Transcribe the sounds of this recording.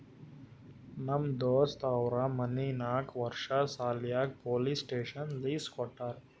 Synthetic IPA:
nɐmd̪oːst̪aːwɾamɐniːnaːkʋɐɾʃasaːljaːk̚poːliːsʈeːʃɐnliːskɔʈːɐɾ

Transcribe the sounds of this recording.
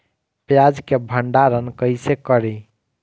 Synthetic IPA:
pjad͡ʒkebʱəɳɖaɾənkəjsekəɾi

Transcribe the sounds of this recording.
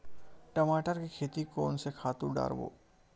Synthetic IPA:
ʈɐmaːʈəɾkikʰeːt̪ikoːnsekʰaːt̪uɾɖa̰ːɾbo̰ː

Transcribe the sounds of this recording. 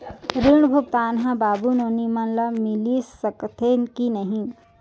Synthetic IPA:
ɾiɳ̃bʱuk̚t̪aːnɦãbaːbunoːnimɐnlɐmilisɐkt̪ʰenkinɐɦĩ

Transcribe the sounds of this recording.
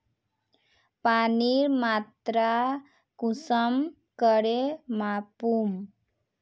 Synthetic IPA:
paniɾmat̪ɾa | kusəm | kəɾemapum

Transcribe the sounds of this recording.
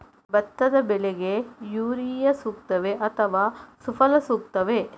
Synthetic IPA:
bɐt̪ːɐd̪ɐbɛleɡejuːɾijɐsuːk̚t̪ɐʋeʔɐt̪ʰɐʋaːsufʰɐlɐsuːkt̪ɐʋe

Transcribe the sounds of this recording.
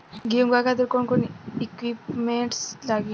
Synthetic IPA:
ɡiuŋɡakad̪əɾkonkonikwipmeɳʈslaɡi

